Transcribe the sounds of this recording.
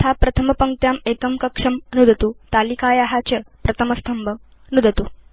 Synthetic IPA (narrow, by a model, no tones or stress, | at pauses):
t̪ʰapɾɐt̪ʰəmɐpɐŋk̚t̪jamekɐmkɐkʂɐmnud̪ɐt̪uːt̪alikaːjaɦat͡ɕɐpɾɐt̪ʰəmɐst̪ʰɐmbʱə | nud̪ʱɐt̪uː